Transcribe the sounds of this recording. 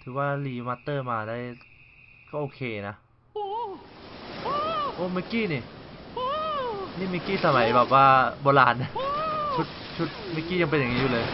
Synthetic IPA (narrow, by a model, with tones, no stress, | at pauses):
t̪ʰɯː˩˦waː˧liː˧˩ma˧t̪ːɤː˧˩maː˧da˧˩˨j | kɔː˥˩ʔoː˧˩kʰeː˧na˦˥ | ʔoː˧˩ma˧˩kiː˧˥˨niː˧˩ | niː˧˥˩mi˦˧˩kiː˥˩sa˧ma˨˩˦jbɛː˨˩p̚waː˧bɔː˧laː˧nːa˧˩t͡ɕʰu˧˦˥t̪̚t͡ɕʰu˦˥t̪̚ma˦˥˩kiː˧˥˩ja˧ŋp̬e˧nja˨ŋːiː˦˧u˧lɤː˧j